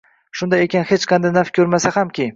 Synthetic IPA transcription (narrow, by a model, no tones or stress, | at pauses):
ʃʊnd̪ajekʲʰanhet͡ʃqʰɑnd̪ajnafkʲʰɵɾmasahamkʲʰi